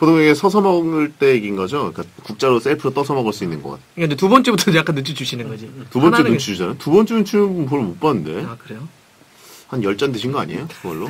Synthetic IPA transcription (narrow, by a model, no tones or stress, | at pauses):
potʰoŋeɡesʰʌsʰʌmʌɡɯɭt͈e̞iɡinɡʌd͡ʑok͈akuk̚t͡ɕ͈aɾos͈eɭpʰɯɾot͈ʌsʰʌmʌɡɯɭs͈uinːɯnɡʌk͈a̰tʰe̥kaɯnd͡ʑetubʌnt͡ɕ͈ebutʰʌɲd͡ʑejak͈anːɯt͡ɕʰid͡ʑuɕʰinɯnɡʌd͡ʑitubʌnt͡ɕenut͡ɕʰid͡ʑuɕʰid͡ʑanatubʌnt͡ɕ͈eunt͡ɕʰinɯnnpoɭomokp͈anɯnde̞̰akɯɾe̞o | hanjʌɭt͡ɕ͈ʌndeɕʰinɡʌa̰ɲiejokɯɡʌɭːo